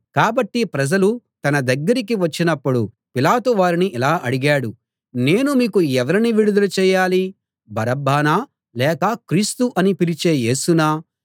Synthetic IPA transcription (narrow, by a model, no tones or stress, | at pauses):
kaːbɐʈːipɾɐd͡ʒɐlu | t̪ɐnɐd̪ɐɡːɐɾik̬iʋɐt͡ʃːinɐpːuɽu | pilaːt̪uʋaːɾiniʔilaːʔɐɽiɡaːɽu | ne̞ːnumiːkuɛʋɐɾiniʋiɽud̪ɐlut͡ʃɛːjaːli | bʱɐɾɐbːaːnaː | lɛːkɐkɾiːst̪uʔɐnipilit͡ʃe̞ːje̞ːsunaː